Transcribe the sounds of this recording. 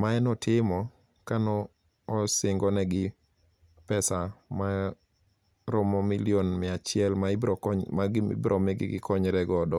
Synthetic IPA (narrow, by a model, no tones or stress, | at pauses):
maɛnɔtʰɪmɔ | kanɔː | sɪŋɡɔnɛɡɪ | pɛsama | ɾɔmɔmilionmɪat͡ʃɪɛlmabɔmaɡɪ̰bɾʔɔmeɡɪ̰ɡɪ̰kʰɔɲɾɛɡɔdɔ